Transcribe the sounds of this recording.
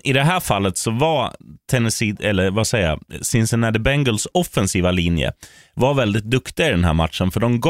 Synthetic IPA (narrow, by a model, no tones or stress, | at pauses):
ɪd̪ɛɦæːɾfalːət̪sɔvaɾt̪ʰɛnːɛsiːɛlːəɾvasɛja̰sɪnsənæɖ̪əbɛŋɡəlsɔfːɛnsiːvaliːnjə̰ | vaɾvɛld̪ɪt̪̚d̪ɵkt̪ɪɡaɪd̪ɛnɦæ̰ːɾma̰t̪ʂənfœɖɔmɡ